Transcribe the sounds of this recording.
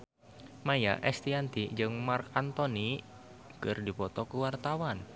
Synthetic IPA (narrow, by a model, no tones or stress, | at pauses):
maja̰ʔɛst̪iant̪id͡ʒɨŋmarkant̪ɔni | kɨrdipɔt̪ɔkuwart̪awan